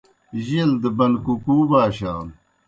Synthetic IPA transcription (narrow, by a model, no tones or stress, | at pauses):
ʑild̪əbɐnkukuːbaːɕaːn